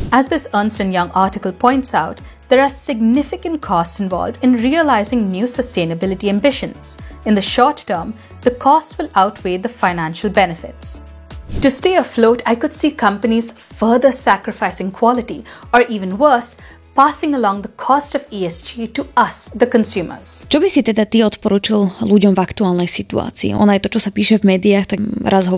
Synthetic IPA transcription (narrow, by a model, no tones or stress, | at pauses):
æzðɪsɜ̃ːnstɨ̃njʌ̃ŋʔaːɹʈɪkəlˠpʰɔ̃ɪ̃ntsaʊt | ðəɹasɪɡ̚nɪfɪkə̃nt̚kʰɔstsɪ̃nvɔ̰ːlˠvdɨ̃nɹiəlaɪzɪ̃ŋnjuːsəstẽɪ̃nɨbɪlɨʈiæ̃mbɪʃə̃nz̥ɨ̃nd̪əʃɔɹtʰːə̃ːm | ðəkʰɔstswɨlaʊtʰweɪd̪əfaɪnæ̃nʃəl̩ˠbɛnɨfɪ̰ts | tɨsteɪəfloʊʈʰaɪkʊd̥siːkʰʌ̃mpəniz̥ | fɜ˞d̪ə˞sækɹɪfaɪsɪ̃ŋkʰwɔlɪʈiəɹʔiːʋə̃nwə˞s | pasɪ̃ŋəlɔ̃ŋd̪əkʰɔstɔʋiɛsd͡ʒiʈuʌsd̪əkə̃nsjuːmə̰˞z̥t͡ʃɔbisit̪ɛd̪at̪iɔt̪pɔɾuːt͡ʃilˠluɟɔmvakt̪uaːlˠnɛjsit̪ua̰ːt͡sḭːʔɔ̰najt̪ɔt͡ʃɔsapiːʃɛvmɛːd̪iaːxt̪aɾʔazɦɔ